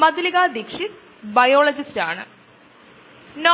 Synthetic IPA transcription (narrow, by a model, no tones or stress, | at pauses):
mɐd̪ʱliɣaːd̪ikʂit̪ | bɐjoːɭɐd͡ʑistaːɳɨ̰ | no